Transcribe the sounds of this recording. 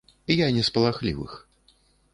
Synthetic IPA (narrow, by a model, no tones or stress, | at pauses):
janʲɛspɐlˠaxlʲḭvɨ̰x